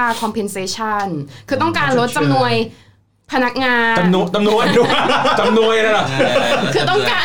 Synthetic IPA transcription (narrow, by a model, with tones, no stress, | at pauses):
aː˧kʰɔ˧mpʰe˧nseː˧˩t͡ɕʰa˥˩nkʰɯː˧t̪ɔ˥˩ŋkaː˧nɾo˦˥t̪̚t͡ɕa˧mnu˧əj | pʰa˧na˦˥k̚ŋaː˧˨˧t͡ɕa˧mnu˧əjdu˧t͡ɕa˧mnu˧əjna˦˥la˨˩kʰɯː˧t̪ɔ˥˩ŋkkaː˧